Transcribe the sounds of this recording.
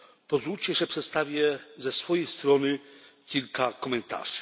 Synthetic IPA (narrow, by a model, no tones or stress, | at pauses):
pɔzvut͡ɕɛʐɛpʂɛt̪st̪avʲjɛzɛsfɔjejst̪ɾɔnɘkʲilkakɔmɛnt̪a̰ʐ̥